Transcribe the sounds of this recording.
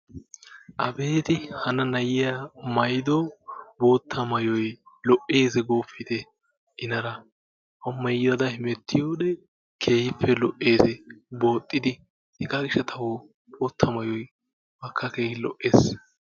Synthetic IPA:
ʔɐbe̞ːt̪ɪhɐnɐnɐjɪjamɐjd̪oːbo̞ːt̪ʰːɐmɐjɔjlɔʔːe̞ːzɛɡoːfːɪd̪ɛ | ʔɪnɐɾɐ | ʔɐmːɐjɪd̪ɐd̪ɐhɪmɛt̪ːɪjoːɗɛ | kʰe̞ːhɪpʰːɛlɔʔːe̞ːsɛbo̞ːt̪ʼːɪd̪ɪ | hɛɡaːɡɪʃːɐt̪ʰɐwo | boːt̪ʰːɐmɐjɔj | mɐkːɐkeːhɪlɔ̰ʔːe̞ːs

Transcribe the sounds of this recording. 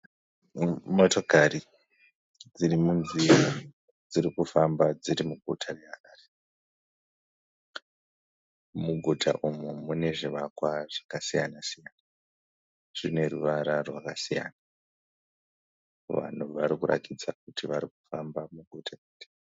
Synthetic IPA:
moto̞kari | d͡zirimunzija | d͡zirikufambad͡ziɾimuɡʱutʰareaaːre | muɡʱutʰa̰ʔumumune̞ʐiʋakwaʐ̥akasijanasijana | ʐ̥ine̞ruʋaɾarwakasija̰na | ʋa̰n̤uʋaɾikura̰kid͡zak̚utʰiʋaɾikufambamuɡʱutʰaeta

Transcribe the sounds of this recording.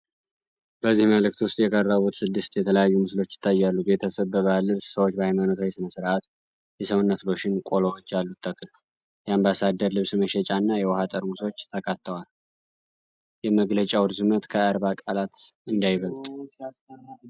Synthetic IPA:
bəzːihməlɨk̚t̪wʊst̪ʼjɛkʼərːəβut̪sɨd̪ːɨst̪jɛt̪ʰələjajːumɨslo̞t͡ʃːjɪ̥t̪ʰːajːalːube̞t̪ʰəsəβbəβahlːɨβssəwot͡ʃːbəhajmanot̪ʰohesɨnəsɨɾʔat̪ | jɛsəwʊnːət̪lo̞ʃɪnkʼo̞lowot͡ʃːalːut̪ʰːəkʰːl | jɛambasad̪ːəɾlɨβsməʃɛt͡ʃʼanːajɛwɔhat̪ʼəɾmuso̞t͡ʃːt̪ʰəkʰat̪ːəwal | jɛməɡlət͡ʃʼawɾzɨmət̪kʰəaɾβakʼalat̪ɨnd̪ajβəlt̪ʼ

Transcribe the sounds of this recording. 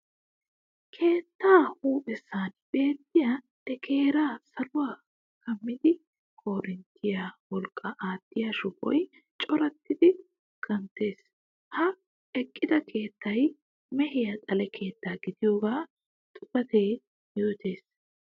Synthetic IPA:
kʰe̞ːt̪ːaːhuːpɛsːaːnb̥e̞ːt̪ːɪja | d̪ɛkʰe̞ːɾaːsɐlʊwaː | kɐmːɪd̪ɪ | kʰo̞ːɾɪnt̪ʰːɪjawɔlkʼːɐʔaːt̪ːɪjaʃʊpʼɔ̰j | t͡ʃʼɔɾɐt̪ːɪd̪ɪ | kɐnt̪e̞ːs | hɐ | ɛkʼːɪd̪ɐkʰe̞ːt̪ːɐj | mɛɦɪjɐt̪ʼɐlɛkʰe̞ːt̪ːaːɡɪd̪ɪjo̞ːɡaː | t̪ʼʊbɐt̪e̞ː | jo̞ːt̪e̞ːs

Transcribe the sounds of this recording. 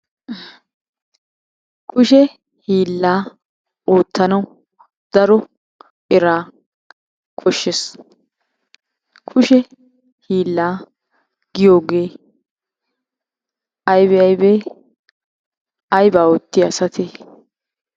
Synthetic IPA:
kʰʊʃɛ | hiːlːaː | oːt̪ːɐnɐw | d̪̥ɐɾɔ | ʔɪɾaː | kʰɔʃːɛs | kʰʊʃɛ | hiːlːaː | ɡ̥ɪjo̞ːɡeː | ɐjbɛɐjbeː | ɐjbaːoːt̪ːɪɐsɐt̪ʰeː

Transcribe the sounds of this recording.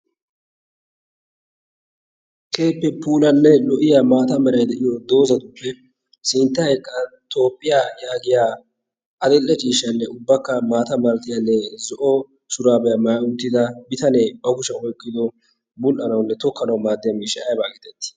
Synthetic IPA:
kʰe̞ːpːɛpuːlɐnːɛlɔʔɪjamaːt̪ɐmɛɾɐjd̪ɛʔɪjɔd̪o̞ːzɐd̪ʊpːɛ | sɪnt̪ːɐɛkʼːɐt̪o̞ːpʼːɪjajaːɡɪjaː | ʔɐd̪ɛlːɛt͡ʃʼiːʃɐnːɛʊbːɐkːɐmaːt̪ɐmɐlt̪ɪjɐnːɛzɔʔɔ | sʊɾaːbɛjɐmɐjaʊt̪ːɪd̪ɐbɪt̪ɐneːbɐɡʊʃɛɔjkʼːɪd̪ɔ | bʊlʔɐnɐwnːɛt̪ɔkːɐnɐwmaːd̪ːɪjɐmiːʃɛɐjbaːkɪt̪ɛt̪ːɪ̥

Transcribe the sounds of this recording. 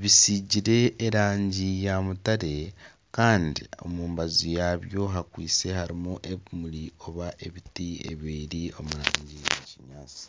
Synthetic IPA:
βisiɟiɾe̞ːɾaːɲɟijamutaɾe̞ | kaːndio̞̰muːmbazijaβjo̞ɦakwiːt͡se̞haɾimuʔe̞βumulio̞βaʔe̞βitiḛβiːɾio̞muɾaːɲɟiḛciɲaːt͡si̥

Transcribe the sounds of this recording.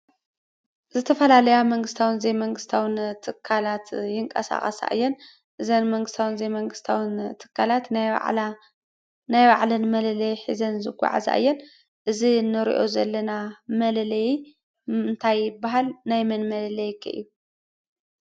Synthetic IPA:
zɨt̪ʰɐfɐlalɐjamɐŋɡɨst̪ʰawɨnzejmɐŋɡɨst̪ʰawɨnt̪ʰɨkʰːalat̪jɪŋkʼɐ̰sa̰χʼɐ̰sa̰ʔɨ̰jːɛn | ʔɨzɐnmɐŋɡɨst̪ʰawɨnzejmɐŋɡɨst̪ʰawɨnt̪ʰɨ̥kʰːalat̪ | najwaʕlɐnmɐlɐlɐjħḭzɐnzɨɡʷa̰ʕa̰za̰ʔɨ̰jːɛn | ʔɨzinɨɾḭʔo̞zɐlːɐnamɐlɐlɐji | ɨnt̪ʰajːɪbːaɦalnajmɐnmɐlɐlɐjɪkʰːɨʔɨ̰jːu

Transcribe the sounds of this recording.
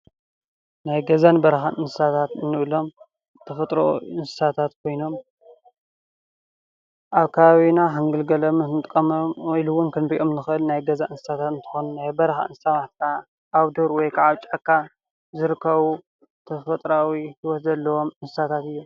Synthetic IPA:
najɡɐzanbɐɾɐxaʔɨnsɨ̥sat̪ʰat̪ɨnːɨʔlo̞m | t̪ʰɐfɐt̪ʼɾo̰ɨnsɨ̥sat̪ʰat̪kʰo̞jno̞m | ʔaβkʰɐβaβinaɦaŋɡɨlɡɐlɐmɨnɨt̪ʼɨkʼːɐmwjluwʊnkʰɨnɾiʔo̞mnɨxʔɨlnajɡɐzaʔɨnsɨ̥sat̪ʰat̪ɨnt̪ʰɨ̥xonunajbɐɾɐxa̰ɨnsɨsamaħt̪kʰa | ʔːβd̪oɾwɔjkʰaʕaβt͡ʃʼakʰːa | zɨɾɨkʰːɐβu | t̪ʰɐfɐt̪ʼɾawihiwɔt̪zɐlːɐwo̞mɨnsɨsat̪ʰat̪ɨjːu

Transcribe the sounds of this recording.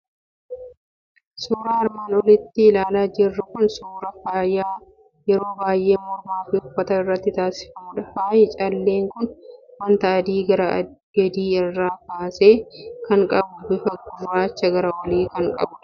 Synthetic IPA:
suːɾaɐɾmaːnɔlɪt̪ːɪːlaːlaːd͡ʒɪrːɐkʊnsuːɾɐfaːjaː | jɛɾo̞ːbaːjʔe̞ːmɔɾmaːfɪʊfːɐt̪ɐnɪrːɐt̪ːɪt̪aːsɪ̥fɐmʊᶑɐfaːjɪt͡ʃʼɐlːe̞ːŋkʊnwɐnt̪ɐːd̪iːɡɐɾɐɡɐd̪iːɪrːaːkaːseːkɐŋkʼɐbʊbɪfɐɡːʊraːt͡ʃːɐɡɐɾɐwɐliːkɐŋkʼɐ̰bʊ

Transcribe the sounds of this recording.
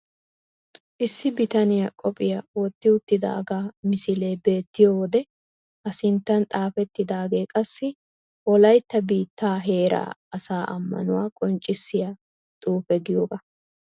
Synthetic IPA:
ʔɪsːɪbɪt̪ɐnɪjakʼɔpʼɪjawɔt̪ːɪʊt̪ːɪd̪a̰ːɡaːmɪsɪle̞ːbe̞ːt̪ːɪjowɔd̪ɛ | ɐsɪnt̪ːɐnt̪ʼaːfɛt̪ːɪd̪aːɡe̞ːkʼɐsːɪ | ʔɔlɐjt̪ːɐbiːt̪ːaːɦe̞ːɾa̰ːɐsaːʔɐ̰mːɐ̰nʊwa̰ːkʼɔnt͡ʃʼːɪsːɪja | t̪ʼuːfɛɡɪjoːɡɐ

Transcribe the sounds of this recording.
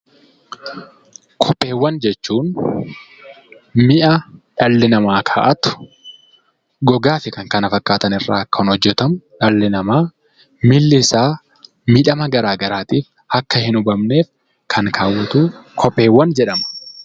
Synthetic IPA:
kʰɔpʼːe̞ːwːɐnd͡ʒɛt͡ʃːuːn | mɪʔɐᶑɐlːɪnɐmaːkʰaːʔɐt̪ʊ̥ | ɡɔɡaːfɪkɐŋkɐnɐfɐkːaːt̪ɐnɪrːa̰ːkːɐnɔd͡ʒːɛt̪ɐmʊᶑɐlːɪnɐmaː | mɪlːɪsaː | mɪᶑɐmɐɡɐɾaːɡɐɾaːt̪iːf | ɐkːɐhɪnʊbɐmne̞ːf | kʰɐŋkʰaːwːɐt̪uːkʰɔpʼːe̞ːwːɐnd͡ʒɛᶑɐmɐ̥

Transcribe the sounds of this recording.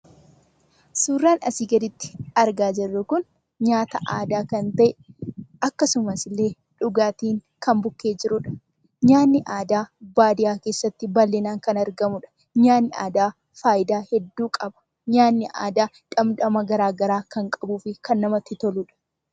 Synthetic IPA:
suːrːaːnɐ̰siːɡɐd̪ɪt̪ːɪ̥ɐɾɡaːd͡ʒɛrːʊkʊn | ɲaːt̪ɐʔaːd̪aːkɐnt̪ɐʔɛʔɐkːɐsʊmɐsɪlːe̞ː | ᶑʊɡaːt̪iːŋ | kɐmbʊkːe̞ːd͡ʒɪɾʊᶑɐ̥ | ɲaːnːɪʔaːd̪aːbaːd̪ɪjaːke̞ːsːɐt̪ːɪbɐlːɪnaːŋkɐnɐɾɡɐmʊᶑɐ̥ | ɲaːnːɪʔa̰ːd̪aː | faːjɪd̪aːhɛd̪ːuːkʼɐbɐ̥ | ɲaːnːɪʔa̰ːd̪aː | ᶑɐmd̪ɐmɐɡɐɾaːɡɐɾaːkɐŋkʼɐbuːfɪkɐnːɐmɐt̪ːɪt̪ɔluᶑɐ̥

